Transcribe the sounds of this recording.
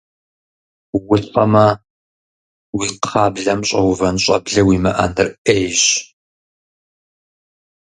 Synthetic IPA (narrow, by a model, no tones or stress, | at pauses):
wʊɬfʼɐmɐ | wiːqɑːbɮɐmɕʼɐwʊvɐnɕʼɐ̰bɮɐwiːmɐʔɐ̰nɨrʔejɕ